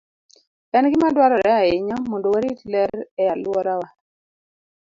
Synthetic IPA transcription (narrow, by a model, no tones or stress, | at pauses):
ɛnɡɪmadwaɾɔɾɛaɪɲɔmɔndowaɾitlɛɛalwɔɾawa